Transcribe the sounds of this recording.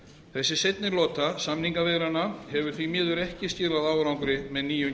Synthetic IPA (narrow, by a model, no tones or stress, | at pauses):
θɛsːɪsejt̪̚nɪlɔːt̪asamniŋkavɛɾanahɛvʏɾ̥θvimɪːðʏɾɛhcɪscɪːlaðaːwɾawŋkɾɪmɛðniːjʏ